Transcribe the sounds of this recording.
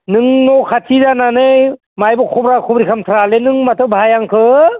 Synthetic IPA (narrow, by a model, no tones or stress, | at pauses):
nɯŋnɔkʰatʰizananɯj | majbɔkʰɔbɾakʰɔbɾikʰamt̪ʰɾalenɯŋmatʰɯbaɦajaŋkʰɯ